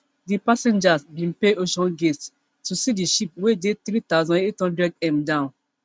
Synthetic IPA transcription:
dipasɛ̃nd͡ʒasbĩnpeoʃɔ̃nɡest | tusidiʃip̚wedeθɾit̪aʊzɔ̃nethɔ̃ndɹɛdɛ̃mdãʊ̃n

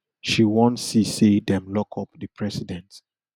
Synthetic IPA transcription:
ʃiwɔ̃ntsisedɛ̃mlɔkʰɔpdəpʰɹɛsidɛ̃nt

